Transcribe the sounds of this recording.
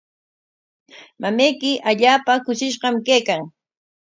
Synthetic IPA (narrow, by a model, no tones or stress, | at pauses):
mamajkɪʔaʎaːpakʊʃɪʃɢɑmkejkaŋ